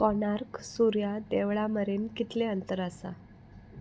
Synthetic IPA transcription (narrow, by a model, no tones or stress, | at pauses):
kɔnaɾksuɾjad̪eʋɭaməɾenkit̪leənt̪əɾasa̰